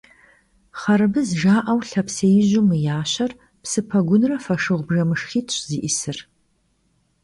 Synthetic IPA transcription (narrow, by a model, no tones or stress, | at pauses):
χɐɾɨbɨzʒaːʔɐwɬɐpsejʑʊmɨjaːɕɐr | psɨpʰɐɡʷʊnrɐfɐʂɨʁʷbʒɐmɨʂχiːtʰɕziːʔɪsɨr